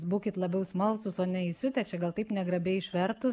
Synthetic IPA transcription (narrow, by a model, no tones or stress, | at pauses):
sbuːkʲɪt̪lˠɐbʲɛʊsmɐlˠsʊsoːnʲɛɪsʲʊt̪ʲɛt͡ʃʲɛɡɐlˠt̪ɐɪpnʲɛɡɾɐbʲɛɪɪʃʲʋʲɛɾt̪ʊs